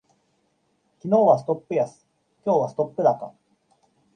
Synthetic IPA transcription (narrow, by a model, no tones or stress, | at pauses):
kʲino̞ːβasɨ̥t̪o̞pːɯ̟jasɨ̥ | kʲo̞ːβasɨ̥t̪o̞pːɯ̟d̪aka̰